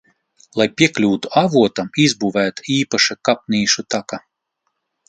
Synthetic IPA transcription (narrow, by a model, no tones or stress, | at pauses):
lˠajpʲiɛklʲuːt̪uavuɔt̪amizbuvæːt̪aiːpaʃakap̚niːʃut̪aka